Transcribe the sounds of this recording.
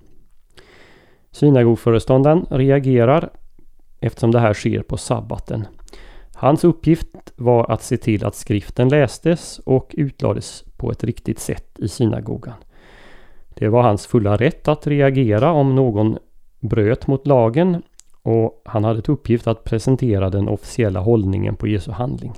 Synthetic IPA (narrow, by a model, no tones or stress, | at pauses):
ɕiːnaɡuːɡfœːɾəst̪ɔnd̪anɾɛaɡeːɾaɾ | ʔɛft̪ə̥ʂɔmd̪ɛɦæːʂḛːɾpʰɔsa̰ba̰t̪ʰə̰n | hansɵpːjɪft̪vaɾʔa̰t̪seːt̪ʰɪlʔa̰t̪skɾɪft̪ənlɛːst̪əsɔkʰʉ̟ːt̪ʰlɑ̰ːd̪əspʰɔɛt̪ɾɪkt̪ɪt̪sɛ̰t̪ːɪsiːna̰ɡṵːɡan | d̪̥ɛvaɾhansfɵlːaɾɛt̪ʰːat̪ɾɛaɡeːɾaɔmnoːɡɔnbɾøːt̪mʊt̪lɑːɡənɔhanhad̪ːəɛt̪ɵpːjɪft̪at̪̚pʰɾɛsɛnt̪ʰeːɾad̪ɛnʔɔfɪ̥sɪɛlːa̰ɦɔlnɪ̰ŋə̰npʰɔjeːsɵhand̪lɪ̰ŋ